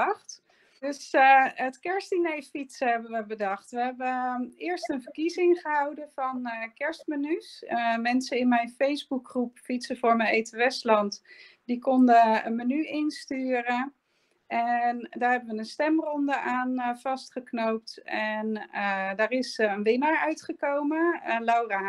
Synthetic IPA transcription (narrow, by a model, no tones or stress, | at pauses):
χt | dɵsətkɛɹstdinejfitsəɦɛbənʋəbədɑχtʋəɦɛbəɪːəɹstənvəɹkizɪŋχəɦɑwdənvɑnkɛɹstmənysmɛnsəɪnmɛjnfejzbukχrupfitsəvʊːɹməejtəʋɛstlɑntdikɔndəənmənyʔɪnstyːrə | ʔɛndaːɹɦɛbənʋənənstɛmrɔndəʔaːnv̥ɑstχəknowp̚tɛnədaːrɪsənʋɪnaɹœɥtχəkowməlawraː